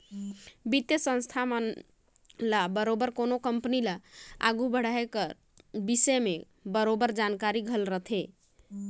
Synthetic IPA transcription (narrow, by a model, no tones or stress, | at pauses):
bit̪jəsə̃nst̪ʰamn | labəɾobəɾkonokəmpənilaa̰ɡubəɽ̤aekə | bisəme | bəɾobəɾd͡ʒankaɾiɡʱəlɾət̪ʰe